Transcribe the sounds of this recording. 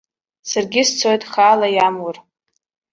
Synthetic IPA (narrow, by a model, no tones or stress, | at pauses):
sarɡʲɪst͡sʰojtʼχaːlajamwʊr